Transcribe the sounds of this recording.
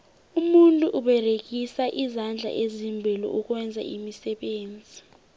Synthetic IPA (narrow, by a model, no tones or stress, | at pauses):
umuntʼuʔuɓɛrek̬isaʔizand͡ɮʱa̰ʔezimbʱɛlɔ̰ʔuk̬wɛnd͡zʱa̰ʔimisɛɓeːnd͡zʱi